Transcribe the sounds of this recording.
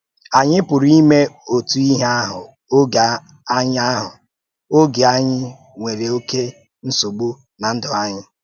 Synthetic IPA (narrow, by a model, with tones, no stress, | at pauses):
a˨ɲɪ˦pʊ˨ɾi˦me˦o˨tu˨i˦ɦa˦ɦʊ˨ | o˦ɡa˨ | a˦ɲɪ˦a˦ɦʊ̰˨ | o˦ɡe˨a˦ɲɪ˦ | ŋʷe˨ɾe˨o˦ke˦ | n̩˦so˨ɡ͡bu˦ | na˨n̩˦dʊ˨a˦ɲɪ˦